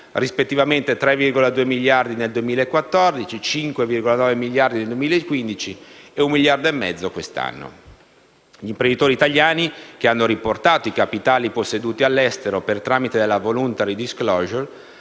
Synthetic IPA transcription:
rispet̪ːivament̪et̪ɾɛvːirɡolad̪uːemiʎjard̪ineld̪uemiːlaekːwat̪ːɔrd̪it͡ʃit͡ʃiŋkwevirɡolanɔːvemilːjard̪ineld̪uwemiːlaekːwind̪it͡ʃieummiʎjard̪oemːɛd̪zːokwest̪a̰nːo̰ | ʎiːmpɾend̪it̪oːɾiːt̪aʎjaːnik̟eanːoɾiport̪aːt̪oikapit̪aːliposːed̪uːt̪ialːɛst̪eɾopert̪ɾaːmit̪ed̪elːavolunt̪aɾid̪iskloːʒor

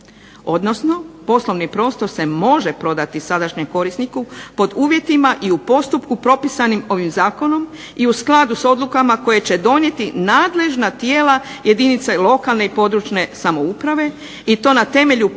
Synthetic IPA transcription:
o̞d̪no̞sno̞po̞slo̞ʋnipɾo̞ːst̪o̞ɾse̞mo̞ʒe̞pɾo̞d̪at̪isad̪aʃɲemko̞ɾisnikupo̞d̪uːʋje̞t̪imaʔiupo̞st̪upkupɾo̞pisanimo̞ʋimzaːko̞no̞m | iusklˠad̪uso̞d̪lˠukamako̞jet͡ɕe̞d̪o̞nje̞t̪inaːd̪le̞ʒnat̪je̞ːlaje̞d̪init̪selo̞kalˠneipo̞d̪ɾut͡ʃne̞samo̞upɾaʋe̞ | it̪o̞ːnat̪e̞me̞ʎu

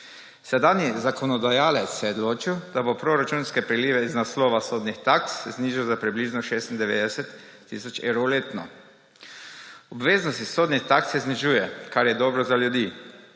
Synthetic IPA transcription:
sɛd̪aːnizakɔnɔd̪ajaːlɛt̪ssɛod̪loːt͡ʃiwd̪abopɾoɾat͡ʃuːnskɛpɾɛliːʋɛiznaslɔːʋasoːd̪nixt̪akszniʒiwzapɾibliːʒnɔʃeːst̪ind̪ɛʋeːd̪ɛsɛt̪ː | ḭsɔt͡ʃḛwɾowleːt̪nɔ̰ | ɔbʋeːznɔst̪isoːd̪nixt̪aksɛzniʒuːjɛkaɾjɛd̪ɔːbɾɔzaljud̪iː

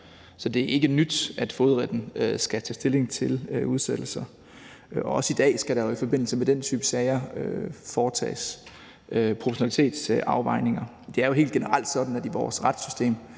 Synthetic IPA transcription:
sɒ̽d̥e̝æʔe̝ɡ̥ənyd̥æd̥foðˠʁɛd̥n̩øsɡ̥æt͡sʰɛ̰ːsd̥e̝le̝ŋt͡sʰe̝løuð̞ˠsed̥l̩sɐ | ɒ̽ɒ̽səid̥ɛ̰ːsɡ̥æɾ̥ɑ̈joifɒ̽b̥e̝n̰l̩səmed̥en̰t͡sʰyːb̥əsɛɪɐøfɒːt͡sʰɛ̰ːs | ʔøpʰʁopʰɒɕo̝næli̥t͡sʰe̝̰ːd̥sʔɑ̈ʊʋɑ̈ɪne̝ŋɐ | d̥e̝æɐjo̝ɦe̝̰ːld̥ɡ̥e̝nəʁɑl̰d̥sɒ̽d̥n̩æd̥iʋɒ̰ːsʁɑd̥sysd̥e̝̰ːm

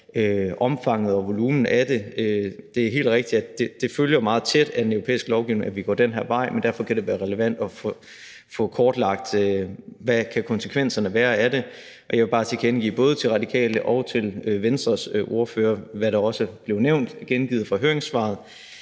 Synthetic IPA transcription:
øʔɒ̽mfɑ̈ŋ̰əð̩ˠɒʋo̝lumn̩æd̥e̝ød̥e̝æɐɦe̝̰ːl̥ʁeɡ̥̚d̥i̥æd̥e̝d̥e̝føljɐmɑ̈ːð̞̩ˠt͡sʰed̥æd̥enøʊʁopʰḛːisɡ̥əlɒʊɡiʊne̝ŋʔæʋiɡ̥ɒ̰ːd̥enɦæɐʋɑ̈ɪ̰mendæɐfɒ̽kʰæɾ̥e̝ʋæːɐʁɛləʋæn̰d̥ɒ̽fɔ | fɔ̽kʰɒːd̥lɑ̈ɡ̥̚d̥øʋækʰækʰɒ̽nsəkʰʋen̰sɐnəʋæːɐæde̝ | ʔɒ̽jɑʋe̝b̥ɑ̈ːt͡sʰeɡ̥enɡ̥ḭːb̥ɔ̽ːð̞̩ˠət͡sʰe̝lʁɑ̈d̥ikʰɛ̰ːləʔɒ̽ʊt͡sʰe̝løʋensd̥ʁɐsøʔo̝ɐføːɐʋæɾɑ̈ɒ̽səb̥le̝ʊneʊ̰nd̥ɡ̥enɡ̥iːð̩ˠfɒ̽ɦøɐeŋsʋɑ̰̈ːð̞̩ˠ

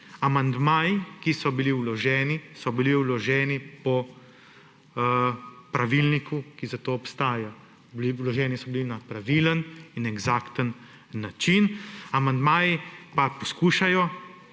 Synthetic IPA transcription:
amand̪maːjikisɔbiliwlɔʒɛːnisɔbiliwlɔʒɛːnipɔ | pɾaʋilnikukizat̪oːɔpst̪aːja | bliwlɔʒɛːnisɔbilinapɾaʋiːləninɛɡzaːkt̪ənː | at͡ʃinamand̪maːjipapɔskuːʃajɔ

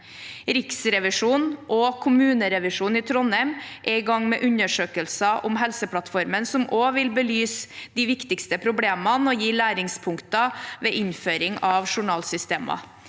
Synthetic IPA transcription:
ɾɪksɾɛʋɪʂuːnʔɔːkʰʊmʉːnəɾɛʋɪʂuːnɪt̪ʰɾɔnɛɪmʔɛɪɡɑŋːmɛ̰ːʔʉɲəʂøːkəlsɑʔʊmɦɛlsəpʰlɑt̪fɔɾmənsɔmʔoːʋɪlbəlyːsd̪ɪʋɪkt̪ɪkst̪əpʰɾʊbleːmɑnɔjiːlæːɾɪŋspʰʊŋkt̪ɑʋeːʔɪnføːɾɪŋɑʋʂʊɳɑːlsʏst̪eːmɑ̰

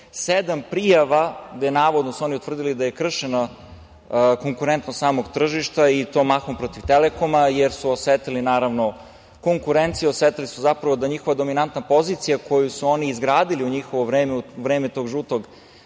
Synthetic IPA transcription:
sed̪ampɾijaʋaɡd̪enaːʋod̪nosuo̞niut̪vr̩d̪ilid̪aje̞kr̩ʃena | koŋkuɾent̪nossaːmoɡt̪r̩ʒiʃt̪ait̪o̞ːmaxompɾot̪iʋt̪eleko̞majeɾsuosʋet̪ilinaːɾaʋno̞ | ko̞ŋkuɾent̪sijeosʋet̪ilisuzapɾaʋo̞d̪aɲixo̞ʋad̪o̞minant̪napo̞zit̪sijakʰo̞jusuo̞niːzɡɾaːd̪iliuɲixoʋoʋɾeːmeuʋɾeːmet̪o̞ːɡʒuːt̪oɡ

